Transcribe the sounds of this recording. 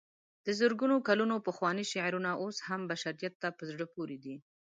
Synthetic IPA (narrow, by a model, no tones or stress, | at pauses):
d̪̥əzəɾɡunokalunopəxwɑniʃaʕɾunaʔoshambaʃaɾijat̪ːapəzɽəpoɾed̪i